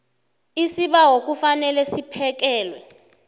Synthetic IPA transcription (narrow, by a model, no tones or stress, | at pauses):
isiɓawok̬ʼufanɛlɛsipʰɛk̬ɛːlwɛ̰